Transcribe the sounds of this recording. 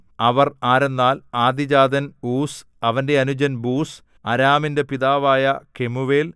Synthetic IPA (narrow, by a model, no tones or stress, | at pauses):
ɐʋɐraːɾe̞nːaːlaːd̪id͡ʑaːd̪ɐnuːs | ɐʋɐnde̞ɐnud͡ʑɐnbuːs | ɐɾaːminde̞piðaːʋaːjɐke̞muʋeːl